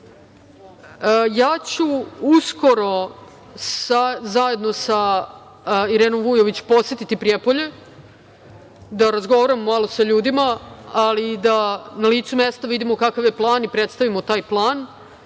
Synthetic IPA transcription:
jaːt͡ɕuusko̞ɾo | sazaje̞d̪no̞sa | iɾeːnomʋuːjo̞ʋit͡ɕu̥po̞tsjet̪it̪ipɾijepoʎe̞ | d̪aɾazɡo̞ʋaɾamːalˠo̞saʎuːd̪imaalid̪analiːt̪sumeːst̪aʋid̪imo̞kakaʋje̞plˠaːnipɾet̪st̪aʋimot̪aːjplˠaːn

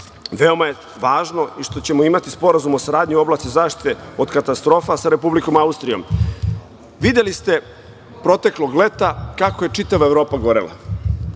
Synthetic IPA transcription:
ʋe̞o̞maje | ʋaːʒno̞iʃt̪o̞t͡ɕe̞mo̞imat̪ispo̞ɾazumosaɾaːd̪ɲuo̞blˠasizaːʃt̪i̥t̪e̞od̪kat̪ast̪ɾo̞ːfasaɾe̞publiko̞maust̪ɾijo̰m | ʋid̪elist̪e̞ | pɾo̞t̪e̞klˠo̞ɡle̞t̪akako̞je̞t͡ʂit̪aʋaevɾo̞ːpaɡo̞ɾḛla̰

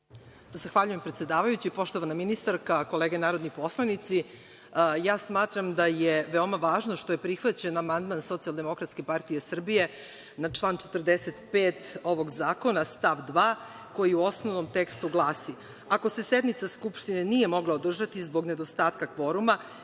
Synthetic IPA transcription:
zaxʋaʎuje̞mpɾet̪sʲe̞d̪aːʋajut͡ɕipo̞ʃt̪oʋanaminist̪aɾkako̞leːɡenaːɾo̞d̪nipo̞slˠanit̪si | jaːsmaːt̪ɾamd̪ajeʋeo̞maʋaːʒnoʃt̪o̞jepɾixʋat͡ɕe̞namand̪manso̞t̪sialˠd̪e̞mo̞kɾat̪skepaɾt̪ijesr̩bije̞ | nat͡ʂlˠaːnt͡ʃet̪rd̪eset̪peːt̪o̞ʋo̞ɡzaːko̞nast̪aʋd̪ʋaː | ko̞jiuo̞snoʋnomt̪ekst̪uɡlˠaːsi | akose̞sed̪nit̪saskupʃt̪inenijemo̞ɡlˠaod̪r̩ʒat̪izbo̞ɡned̪ost̪aːt̪kakʋo̞ɾuma

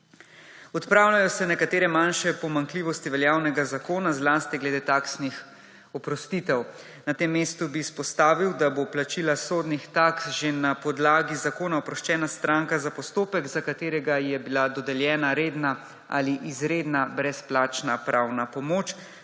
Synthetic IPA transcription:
ɔt̪pɾaːwlʲjajɔsɛnɛkat̪eːɾɛmanʃɛpɔmaŋkliːʋɔst̪iʋɛljaːwnɛɡazakoːnazlaːst̪iɡlɛd̪eːt̪aːksnix | ɔpɾɔst̪it̪ɛw | nat̪eːmːeːst̪ubiːspɔst̪aːʋiwd̪aboplat͡ʃiːlasoːd̪nixt̪aksʒenapɔd̪laːɡizakoːnaɔpɾɔʃt͡ʃɛːnast̪ɾaŋkazapɔst̪oːpɛɡzakat̪eːɾɛɡajɛbilad̪ɔd̪ɛljɛːnaɾeːd̪na | a̰liʔizɾeːd̪nabɾɛsplaːt͡ʃnapɾʔawnapɔmoːt͡ʃ

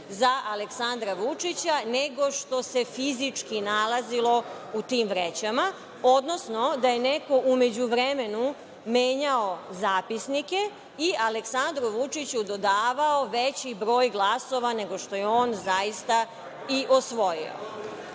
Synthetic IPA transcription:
zaʔaleksand̪ɾaʋut͡ʃit͡ɕane̞ɡo̞ʃt̪o̞se̞fizit͡ʂkinalˠazilo̞ | ut̪iːmʋɾet͡ɕama | o̞d̪no̞sno̞d̪aje̞ne̞ko̞ʔume̞d͡ʑuʋɾeme̞nu | me̞ːɲao̞zaːpisnike̞ | iʔaleksand̪ɾuʋut͡ʃit͡ɕud̪o̞d̪aːʋaoʋet͡ɕibɾo̞ːjɡlˠaso̞ʋane̞ɡo̞ʃt̪o̞jeo̞ːnzajist̪a | iʔosʋo̞jḭo̰

